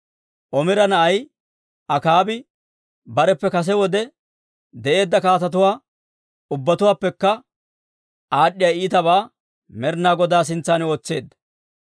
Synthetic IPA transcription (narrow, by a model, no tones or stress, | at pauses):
ʔɔmɪɾɐnɐʔɐj | ɐkaːbɪ | bɐɾɛpːɛkɐs̬ɛwɔd̪ɛ | d̪ɛʔe̞ːd̪ːɐkaːt̪ɐt̪ʊwaː | ʊbːɐt̪ʊwaːpːɛkːɐ | aːɗːɪjaiːt̪ɐβaː | mɛɾnaːɡɔd̪aːs̬ɪnt͡sːaːnɪoːt͡sːe̞̰ːd̪ːɐ̥